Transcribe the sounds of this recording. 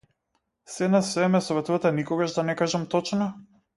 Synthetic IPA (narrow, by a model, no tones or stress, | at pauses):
sɛnasːɛɛmɛsɔvɛt̪uvat̪anikɔɡaʒd̪anɛkaʒamt̪ɔt͡ʃna